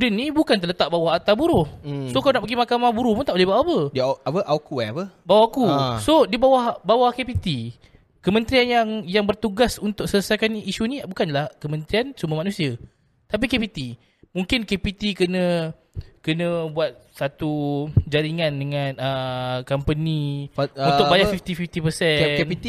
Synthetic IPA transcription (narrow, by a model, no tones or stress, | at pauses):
udənːĩbukant̪ələt̪aʔ̚bawaɦat̪abuɾʊhsokalunaʔpəɡimakamahbuɾʊhpʊnt̪aʔbolehbawapədapəʔakuaapəbawakusodibawahbawahkepit̪i | kəmə̃nt̪ɾianjaŋjaŋbərt̪uɡasunt̪ʊk̚sələsajkaniʃunĩbukanlahkəmə̃nt̪ɾiansumbəmanũsia | t̪ap̬ikepit̪i | muŋkɪnkepit̪ikənə̃ | kənə̃buat̪̚sat̪ud͡ʒaɾiŋandəŋãnəkampəniunt̪ʊkkbajafift̪ifift̪ipəsɛnpii